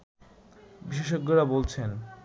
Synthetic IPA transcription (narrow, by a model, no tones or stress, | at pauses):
biʃ̬eʃ̬oɡːeɾabolt͡ɕʰen